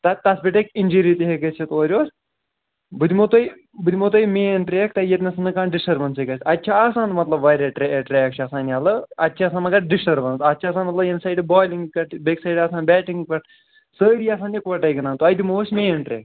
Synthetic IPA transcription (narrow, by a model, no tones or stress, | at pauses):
t̪ɐt̪ɐsbʲiʈekinʲd͡ʒiɾit̪eɦeɡɐt͡ʃʰit̪oːɾʲoːsʲ | bɨd̪ʲimot̪oj | bɨd̪ʲimot̪ojmeːnʈɾʲeːk̚t̪ɐjɐt̪nʲesɨnɨkãːnɖɪsʈɐɾbɐnsekɐsʲɐtʲːt͡ʃʰaasãːnmɐt̪lɐbʋɐɾeʈɾɛʈɾɛːk̚t͡ʃʰɐsãːnjaːlɨɐtːt͡ʃʰasaːnɐkɐʈ̚ɖɪsʈɐɾbɐnsɐt̚ʲːt͡ʃʰaːsaːnmɐt̪lɐbinsaːjɖbɔːjliŋɡkɐʈbeksaːjɖasãːnbɛːʈiŋɡkɐʈ | səːɾiɐsãːnjikʋɐʈɐjɡɐnaːnt̪oɐjd̪imoːsmeːnʈɾʲḛːk